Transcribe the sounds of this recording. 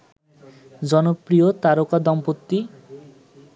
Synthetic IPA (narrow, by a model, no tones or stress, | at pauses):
d͡ʒɔnopɾijot̪aɾokad̪ɔmpot̪ːi